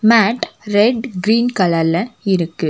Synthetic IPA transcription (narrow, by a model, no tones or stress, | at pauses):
maːʈɾɛɖɡɾiːnkɐlɐɾlɐɪɾɯkːɯ